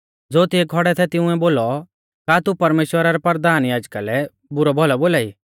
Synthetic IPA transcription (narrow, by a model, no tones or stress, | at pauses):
d͡zoːt̪ieɡʱɔɽɛt̪ʰɛt̪ɪ̃ʊ̃ɛ̃boːlɔ | kat̪upɐɾmeːʃwəɾaɾɛpɐɾd̪aːnjaːd͡ʒkalɛ | bʊɾɔbʱɔlɔboːlaːḭː